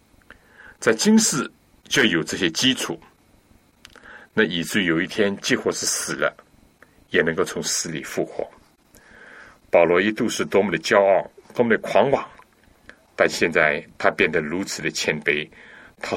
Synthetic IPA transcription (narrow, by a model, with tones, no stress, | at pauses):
t͡sa˥˩ɪt͡ɕi˥ŋʂɻ̩˥˩ | t͡ɕjo˥˩jo˨˩ʊʈ͡ʂɤ˥˩ɕjɛ˥t͡ɕi˥ʈ͡ʂʰu˨˩˦ | na˥˩i˨˩ʈ͡ʂɻ̩˥˩jo˨˩ʊi˥˩t̪ʰjɛ˥nt͡ɕi˥˧xwɔ˥˧ʂɻ̩˥˩sɹ̩˨˩lə̰˦ | jɛ˨˩nɤ˧˥ŋko˥˩ʊt͡sʰʊ˧˥ŋsɹ̩˧˥lḭ˨˩fu˥˩xwɔ̰˥˦ | pɑ˨˩ʊlwɔ˧˥i˥t̪u˥˧ʂɻ̩˥˩t̪wɔ˥mə˨˩d̪ə˩t͡ɕjɑ˥ʊɑ˥˩t̪wɔ˥mə˨˩d̪ə˩kʰwɑ˧˥ŋwɑ˨˩˦ŋ | t̪a˥˧nɕjɛ˥˧nt͡sa˥˩ɪt̪ʰa˥pjɛ˥˩nd̪ə˩ɻu˧˥t͡sʰɹ̩˨˩d̪ə˦t͡ɕʰjɛ˧˥npe˥˩ɪt̪ʰa˥